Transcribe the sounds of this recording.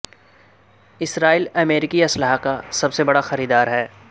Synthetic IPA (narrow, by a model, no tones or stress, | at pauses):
ɪsɾaːiːlɐmeːɾɪkiɐsləɦakasɐbsebɐɽaxɐɾiːd̪aːɾɦɛː